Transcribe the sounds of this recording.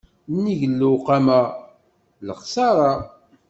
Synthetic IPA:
nːiʝlːuqamæ | ləχsɑɾˤɑ

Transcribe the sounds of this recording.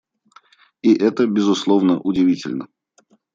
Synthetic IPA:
iʔɛt̪əbʲɪzʊslˠovnəʔʊdʲɪvʲitʲɪ̰lʲnə

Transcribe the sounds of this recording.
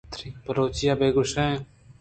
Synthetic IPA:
t̪ɾiːpəɾoːt͡ʃijaːbeːɡʊʃaẽ

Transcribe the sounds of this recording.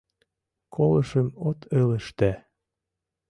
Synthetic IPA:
kʰoləʃəmot̪ʰələ̆ʃt̪æ

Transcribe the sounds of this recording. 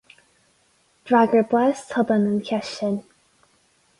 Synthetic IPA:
d̥ɹaɡəbwɛstʰʌbənənkʰɛʃən

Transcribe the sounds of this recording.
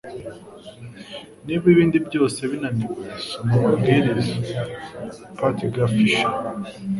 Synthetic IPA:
nibjiβiːndibɟo̞ːse̞βinanikesomumabɡiɾiza | patiɡafiʃa

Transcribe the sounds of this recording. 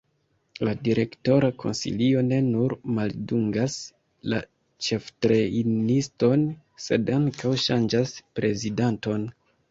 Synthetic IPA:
ladiɾe̞kto̞ɾakʰo̞̰nsḭlio̞ne̞nuɾmalduŋɡas | la̰ | t͡ʃe̞ftɾeinisto̞n | se̞daŋkawʃand͡ʒaspɾe̞zidanto̞n

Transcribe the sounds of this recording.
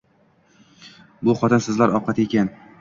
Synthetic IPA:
bʊχɒt̪ʰɪnsɪzlaɾɒqʰɑt̪ekʲan

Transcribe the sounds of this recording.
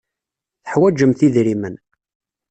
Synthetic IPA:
θə̥ħwæd͡ʒəmθiðɾimən

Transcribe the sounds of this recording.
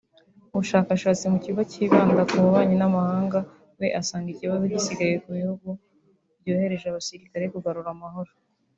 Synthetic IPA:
uβuʃaːkaʃaːt͡simuciβaciːβaːndakuuβaːɲinamahaːŋɡa | we̞ʔasaːndicieβaβuɟisiɡajekuβihuɡu | bɟoːhe̞ɾe̞ʒaβasiɾikaɾekuɡaɾuɾamaho̞ɾo

